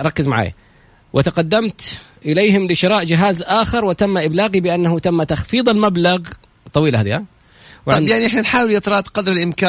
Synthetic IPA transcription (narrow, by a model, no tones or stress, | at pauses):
ʔɾˤɑkːɪzmaʕa̰ːja̰ | wʔɪt̪aqad̪ːamt̪ | ʔɪleːhɪmlɪʃɪɾˤɑːʔd͡ʒɪɦaːzʔaːxɑɾˤwɪt̪amːaʔɪblaːɣibɪʔanːahʊt̪amːat̪axfiːðˤɪlmablaɣ | t̪ˤːɑwiːla̰aːða | wʕɪnjaʕniʔɪħnanħaːwɪljɨt̪ɾˤɑt̪qɑd̪ɾɪlʔɪmkaː